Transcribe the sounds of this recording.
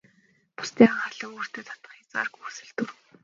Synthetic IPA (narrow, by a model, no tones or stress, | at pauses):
pʊ̥st̪ʰeːaχaɮə̆ŋoːr̥t̪eːt̪ʰḁt̪ə̆χjat͡sa̰ːrkuːsɘ̆ɮt̪ur